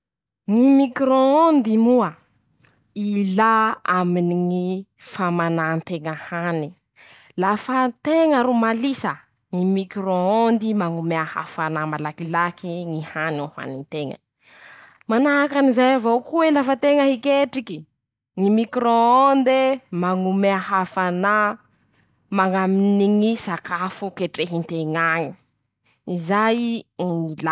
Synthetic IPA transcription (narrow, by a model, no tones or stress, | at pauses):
ŋimikɾoond̪imuə | ilaaminiŋifamanant̪eŋəhani | lafat̪eŋəɾumalisə | ŋimikɾoond̪imaŋumeaha̰fanamalakilakiŋihanoha̰nint̪eŋə̰ | manaakanizajavokuelafət̪eŋəɦikeʈ͡ʂiki | ŋimikɾoond̪emaŋumeaɦafana | maŋaminiŋisakafukeʈ͡ʂeɦint̪eŋaŋi̥ | izajŋila